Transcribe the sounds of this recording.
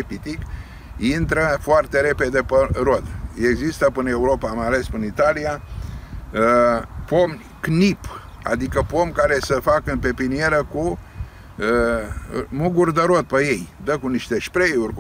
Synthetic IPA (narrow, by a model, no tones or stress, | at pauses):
epit̪ik | int̪ɾəfoart̪e̞ɾe̞pe̞d̪e̞pəɾo̞d̪e̞ɡzist̪əpɨne̞uɾo̞pamajale̞spɨnit̪alia | po̞m | knip | a̰d̪ikəpo̞mkaɾe̞səfakɨnpe̞pinie̞ɾəku | ə | muɡurʲd̪eɾo̞d̪̚peje̞jd̪əkuniʃt̪e̞ʃpɾejurʲ